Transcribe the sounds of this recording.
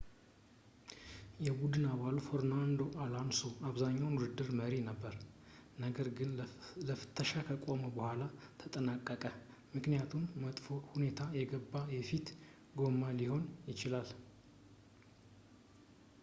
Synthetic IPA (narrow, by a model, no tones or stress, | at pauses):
jɛbud̪ɨnaβalufəɾnand̪o̞ʔalanso̞aβzaɲːawnwʊd̪ɨd̪ːɨɾməɾinəbːəɾ | nəɡəɾɡɨnləfɨ̥t̪ʰːəʃakʰəkʼo̞məbəhʷalat̪ʰət̪ʼənakʼːəkʼə | mɨknijat̪ʰumːət̪ʼfohune̞t̪ʰajɛɡəbːajɛfit̪ | ɡo̞maliho̞njɪt͡ʃɪlal